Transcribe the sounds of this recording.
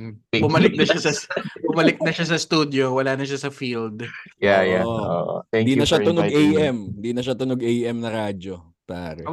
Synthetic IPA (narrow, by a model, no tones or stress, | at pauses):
bʊmɐlɪk̚nɐʃasɐbʊmɐlɪk̚nɐʃasɐst̪uːd̪jowɐlaːnɐʃasɐfild̪jajaʔo̰ʔ̪d̪iːnɐʃat̪ʊnoɡejʔɛmɪnd̪iːnɐʃat̪ʊnoɡʔejʔɛmnɐɾaːd͡ʒo | paːɾɛ